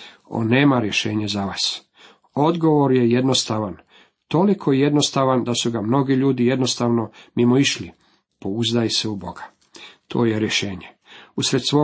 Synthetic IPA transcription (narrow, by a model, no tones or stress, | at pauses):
o̰nːe̞ːmaɾje̞ʃe̞ːɲezaʋaːs | o̞d̪ɡo̞ʋoɾje̞je̞d̪no̞st̪aʋan | t̪o̞likʰoje̞d̪no̞st̪aʋand̪asuɡamno̞ɡiʎuːd̪ijed̪no̞st̪aːʋno̞mimoiʃli | po̞uzd̪ajseubo̞ɡḁ | t̪ʰo̞ːje̞ɾjeʃe̞ːɲe | usɾet̪sʋo̞